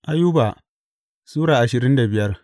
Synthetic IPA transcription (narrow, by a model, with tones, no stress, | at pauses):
ʔa˦ju˦baː˨ | suː˦ɽaː˨ʔa˨ʃɪ˨ɾɪ˦nda˨bɪ˨jɐ˦r